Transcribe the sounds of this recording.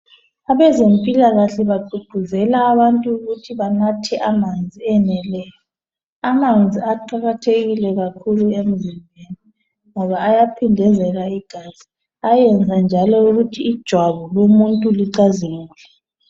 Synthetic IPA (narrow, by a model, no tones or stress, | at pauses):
aβɛzempʼilaɣaɬɛβaǃʱub̥ʱuzɛlaːβantʼuːɣutʰiβanatʰɛʔamand͡zʱiɛnɛlɛjɔ | amand͡zʱiaǃaɣatʰeɣilɛɣakʰuluem̩zimbʱeni | ŋɔβaːjapʰindʱɛzɛɣaiɡ̥ʱaz̥i | ajɛnd͡zʱand͡ʒʱalɔuɣutʰiːd̥ʒ̥ʱwaβɔlomuntʼuliǀaziŋulɛ